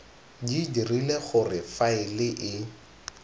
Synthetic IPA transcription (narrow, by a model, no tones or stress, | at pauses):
didirileχʊrɪfaɪlɪʔɪ